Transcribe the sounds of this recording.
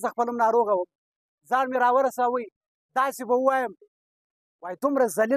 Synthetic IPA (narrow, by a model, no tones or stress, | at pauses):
zaxpələmnɑɾoɣawəm | zɑɾmeɾɑwəɾasawəj | d̪ɑsebawuwɑjəm | wɑjt̪ʊmɾazali